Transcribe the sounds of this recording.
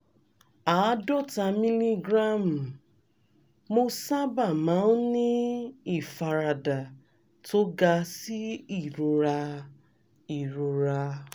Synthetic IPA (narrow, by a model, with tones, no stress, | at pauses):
a˨˦dɔ˦˨ta˧mi˦li˦ɡɾa˦˨m̩˨ | mo˦sa˦ba˦˨mã˨˦n̩˦nĩ˦i˦˨fa˨ɾa˨da˨ | to˦ɡa˧si˦i˦˨ɾu˨ɾa˧ | i˨ɾu˨ɾa˧